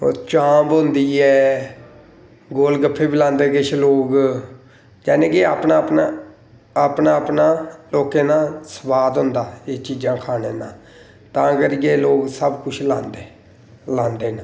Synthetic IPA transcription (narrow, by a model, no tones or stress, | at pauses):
t͡ʃãːbɦʊnd̪iːɛː | ɡoːlɡəpʰːeːbiːlãːnd̪eːkɪt͡ʃʰloːɡ | d͡ʒɛːnẽːkeaːpnaːpna | aːpnaːəpnaːloːkeːnãːsəbaːd̪ɦʊ̃nd̪aːeːt͡ʃiːd͡ʒãːkʰaːneːnãː | t̪ãːkəɾiɡeːloːɡsəbkʊt͡ʃʰlãːnd̪eː | lãːnd̪eːnãː